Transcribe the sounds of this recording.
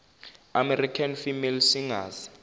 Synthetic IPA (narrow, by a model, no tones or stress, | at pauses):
amɛrikʰanfimɛlsiŋaːzi̥